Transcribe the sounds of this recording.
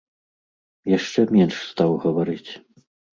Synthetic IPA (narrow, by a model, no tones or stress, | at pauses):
jaʂt͡ʂɛmʲɛnʂst̪awɣɐvaɾɨt͡sʲ